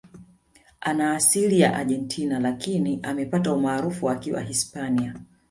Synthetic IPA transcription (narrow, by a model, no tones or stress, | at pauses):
anaːsilijaʔa̰ʄɛntʰinalakiniʔamɛpataumaːɾufuakiwa̰hispania